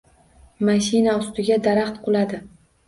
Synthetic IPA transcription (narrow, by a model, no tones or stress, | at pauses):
maʃinaʊst̪ɪɡʲad̪aɾaχt̪qʰʊlˠad̪ɪ